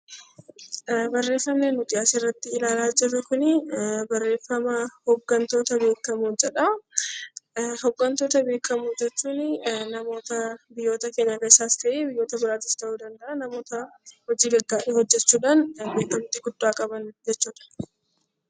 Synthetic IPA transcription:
bɐrːe̞ːfːɐmneːnːʊt̪ɪasɪrːɐt̪ːɪɪlaːlaːd͡ʒɛbɛkʊnɪbɐrːe̞ːfːɐmɐhɔɡːɐnt̪o̞ːt̪ɐbe̞ːkːɐmud͡ʒɛᶑɐ | hɔɡːɐnt̪o̞ːt̪ɐbe̞ːkːɐmud͡ʒɛt͡ʃːuːnɪnɐmo̞ːt̪ɐbɪjːo̞ːt̪ɐkeːɲːɐkɐɪsaːst̪ɐʔeːbɪjːo̞ːt̪ɐbɪɾaːt̪ɪst̪ɐʔuːd̪ɐnd̪ɐʔɐnɐmo̞ːt̪ɐhɔd͡ʒiːɡɐɡːaːʔeːhɔd͡ʒːɛt͡ʃːuːᶑaːnbeːkːɐmt̪ɪɡʊd̪ːaːkʼɐbɐnd͡ʒɛt͡ʃːuːᶑɐ̥

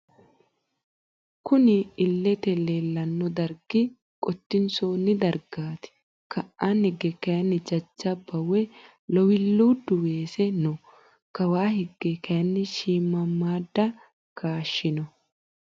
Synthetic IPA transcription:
kʊnɪːlːɛt̪ɛleːlːɐnːɔd̪ɐɾɡɪ | kʼɔt̪ːɪnsoːnːɪd̪ɐɾɡaːt̪ɪ̥ | kʰɐʔʔaːnhɛɡɛkɐjɐnːɪd͡ʒɐt͡ʃːɐbɐwɛ | lɔwɪlːuːd̪ʊweːsɛnɔ | kɐwaːɦɛɡːɛkɐjɐnːɪʃiːmːɐmːaːd̪ːɐ | kaːʃːɪnɔ

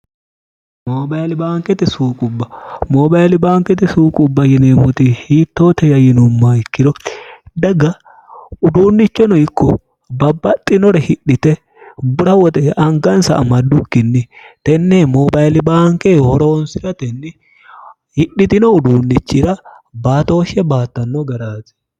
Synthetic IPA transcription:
moːbajlɪbaːŋkʼɛt̪ɪsuːkʼʊbːɐmoːbɐjlɪbaːŋkʼɛt̪ɪsuːkʼʊbːɐjɪneːmɔt̪ɪhiːt̪ːo̞ːt̪ɛjɐjɪnʊmːaːɪkːɪɾɔd̪ɐɡɐ | ʊd̪uːnːɪt͡ʃːɔnɔɪkːɔ | bɐbːɐt̪ʼːɪnɔɾɛhɪᶑɪt̪ɛ | bʊɾɐwɔt̪ɛʔɐŋɡɐnsɐ̰ʔɐmɐd̪ːʊkːɪnːɪt̪ɛnːemobɐjlɪbaːŋkehɔɾo̞ːnsɪɾɐt̪ɛnːɪ | hɪɗɪt̪ɪnɔʊd̪uːnːɪt͡ʃːɪɾɐ | baːt̪o̞ːʃɛbaːt̪ːɐnːɔɡɐɾaːt̪ɛ̥

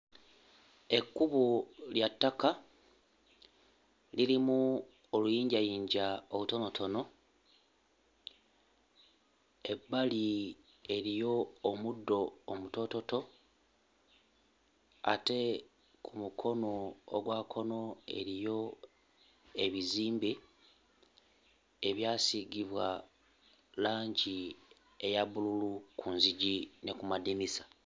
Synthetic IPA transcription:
e̞kːuβuljatːaka | liɾimu | olujiːɲɟajiːɲɟaoβuto̞no̞tʰo̞no̞ | e̞bːali | e̞ɾijo̞ːmudːo̞ːmuto̞to̞to̞ | a̰te̞ | kʰumukʰo̞no̞ːɡwaːkʰo̞no̞e̞̰ɾijo̞ | e̞βiziːmbe | eβjaːsiɡiβwa | laːɲɟi | ejaβululukunziɟine̞kumadinisḁ

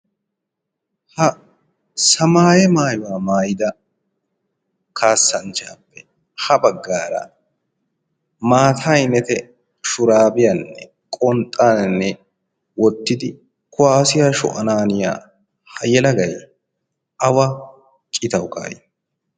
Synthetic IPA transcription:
hɐ | sɐmaːjɛmaːjʊwaːmaːjɪd̪ɐ | kʰaːsːɐnt͡ʃɐːpːɛ̥ | hɐbɐɡːaːɾɐ̰ | maːt̪ʰajnɛt̪ɛ | ʃʊɾaːbɪjɐnːɛ̰ | kʼɔnt̪ʼːaːnnːɛ | wɔt̪ːɪd̪ɪ | kʰʊwaːsɪjaːʃɔ̰ʔɐnaːnɪja̰ː | hɐjɛlɐɡɐj | ɐwɐ | kʼɪt̪ɐwka̰ːjɪ

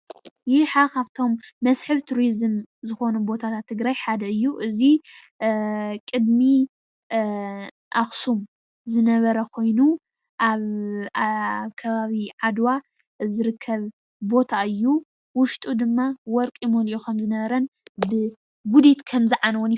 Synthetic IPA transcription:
jɪħakaβt̪ʰo̞mːɐsħɨβt̪ʰuɾizɨmzɨxo̞nubo̞t̪ʰat̪ʰat̪ʰːɨɡɾajħad̪ɐɨjːuʔɨzi | kʼɨd̪mi | ʔaxsum | zɨnɐβɐɾɐkʰo̞jnu | ʔaβ | βkʰɐβaβiʕad̪wa | zɨɾɨkʰːɐβ | bo̞t̪ʰaɨjːu | wʊʃt̪ʼud̪ɨmːawɔɾkʼimoliʔokʰɐmzɨnɐβɐɾɐnbɨ | ɡud̪it̪kʰɐmzɨʕanwɔn

